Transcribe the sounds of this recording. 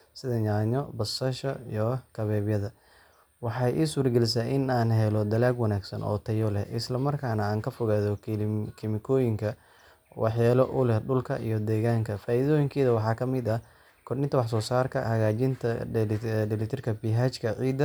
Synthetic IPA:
sɪðɐɲaːɲɔbɐsɐʃɐijɔkʰɐβɛːβjɐðɐ | wɑħɑjʔiːsuwʊrɡɛlɪs̬aʔɪnaːnɦɛlɔd̪ɐlaːɡwɐnaːɡsɐ̰nʔɔ̰ːt̪ʰɐjɔlɛhʔɪslɐmɐrkʰaːnɐaːŋkʰɐfɔɣaːðɔkʰɪmɪkʰɔːjɪŋkʰɐ | wʔɑ̰ħjaːlɔʔʊ̰lɛhɖʊlkʰɐʔijɔd̪ɛːɣaːŋkʰɐfaːiðɔːjɪŋkʰɛːðɐwɑħɑːkʰɐmɪd̪ɐ | kʰɔrnɪnt̪ɐwɑħsɔːsaːrkʰɐ̰hɐɣaːt͡ʃɪnt̪ʰɐ | ɖɪlɪt̪ʰɪrkʰɐbiɦaːt͡ʃkʰɐʕiːd̪ɐ

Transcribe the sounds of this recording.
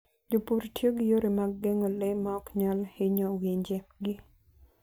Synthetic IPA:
d͡ʒopuɾtjeɡɪjoɾemaɡːeŋolemaɔkɲalhɪɲɔwiɲd͡ʒeɡɪ

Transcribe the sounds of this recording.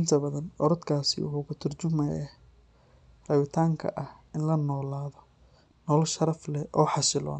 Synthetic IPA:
ʔɪnt̪ʰɐbɐðɐnɔɾɔd̪kʰaːsɪ̰wʊħʊkʰʊt̪ʰɐrt͡ʃʊmɛjɛ | rɐβɪt̪ʰaːŋkʰɐ̰ʔɐh | ɪnlɐnɔːlaːðɔ | nɔːlʃɐɾɐflɛʔɔːħɑsɪlɔ̰ːn

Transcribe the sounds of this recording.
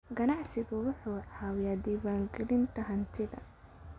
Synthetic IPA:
ɡɐnɑʕsɪɣʊwʊħuːʕaːwjaːd̪iːwaːŋɡɛlɪnt̪ʰɐɦɐnt̪ʰɪðɐ̰

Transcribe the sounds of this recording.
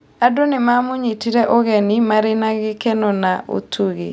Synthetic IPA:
adonɪmamoɲitiɾɛʔoɣɛnimaɾenaɣɪkɛnɔnaʔo̰tʰuɣḛ

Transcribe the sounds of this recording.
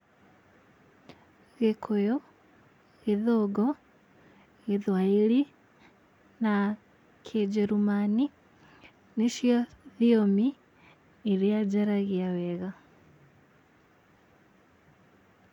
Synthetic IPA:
ɣekʰojo | ɣeðoɡɔ | ɣeðwaili | na | kʰed͡ʒeɾumani | niʃjoðiomiː | ɾiad͡ʒaɾaɣiawɛɣa

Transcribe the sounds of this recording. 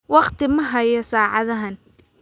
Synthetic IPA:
wɑqt̪ʰɪmɐɦɐjɔsaːʕɑðɐɦɐn

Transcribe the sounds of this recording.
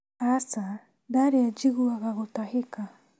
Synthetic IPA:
asa | daɾead͡ʒiɡuaɣaɣot̪aheka

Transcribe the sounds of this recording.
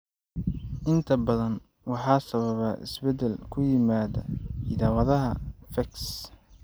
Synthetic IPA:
ʔɪnt̪ʰɐbɐðɐn | wɑħɑːsɐβɐβɐʔɪ̰sbɛd̪ɛlkʰʊjɪmaːðɐ̰ɪðaːwɐðɐɦɐfɐks

